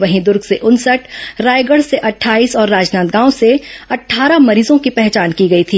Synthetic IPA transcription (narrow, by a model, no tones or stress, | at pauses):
ʋɐɦĩd̪ʊɾɡseʔʊnsəʈʰɾaːjɡəɽseʔɐʈʰːaːiːsɔːɾːaːd͡ʒnaːt̪ɡãːõseɐʈʰːaːɾamɐɾiːzõkipɛɦt͡ʃaːnkiɡɐit̪ʰiː